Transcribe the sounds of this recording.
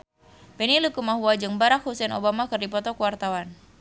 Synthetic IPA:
pɛnilukumaɦuwad͡ʒɨŋbaɾak̚husɛno̰bamakɨrdipɔt̪ɔkəwart̪awan

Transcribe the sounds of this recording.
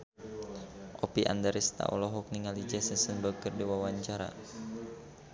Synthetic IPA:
ʔɔpiʔa̰ndɛɾist̪a̰ʔṵlɔɦɔk̚niŋalid͡ʒɛsəsənbəkərdiwawaɲt͡ʃaɾa̰

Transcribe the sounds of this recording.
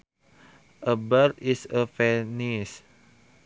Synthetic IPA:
ʔəbərtisəfɛnis

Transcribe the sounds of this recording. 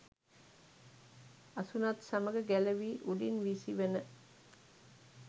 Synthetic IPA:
ɐsunat̪saməɡəɡæləʋiːʔuɖinʋisiʋenə

